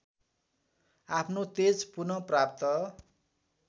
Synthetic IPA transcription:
apʰnot̪ed͡zpunʌprap̚t̪ʌ

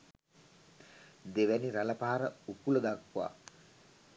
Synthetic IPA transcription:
d̪eʋæniɾaləpaɦaɾəukuləd̪akːʋa̰

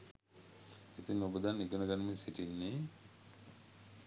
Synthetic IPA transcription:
it̪inobəd̪anːiɡənəɡanmisiʈinːe

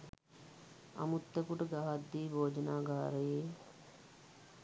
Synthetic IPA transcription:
a̰mut̪ːekuʈəɡaɦad̪ːiːboːd͡ʒənaːɡaːɾəjeː

